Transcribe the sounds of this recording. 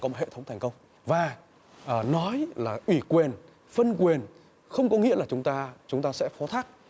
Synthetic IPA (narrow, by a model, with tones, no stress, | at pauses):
ɔ˨˦mo˨˩t̚hḛ˧˨t̪ʰə˨˦wŋ͡m̪t̪ʰa˨˩ŋ̟kə˧wŋ͡m | vaː˨˩ | ʔnɔ˨˦jlaː˨˩ʔwi˧˩kwi˨˩ən | fə˧nkwi˨˩ən | xə˧wŋ͡mkɔ˨˦ŋḭ˧˥əlaː˨˩t͡ɕʊ˨˦ŋ͡mt̪aː˧t͡ɕʊ˨˦ŋ͡mt̪aː˧sɛ̰˧˥fɔ˨˦t̪ʰaː˦˥k̚